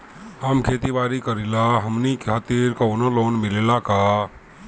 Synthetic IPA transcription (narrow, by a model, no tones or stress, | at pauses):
həmkʰeːt̪ibaːɾikəɾilaɦəmnikat̪iɾkaʊnoloːnmɪlelakaː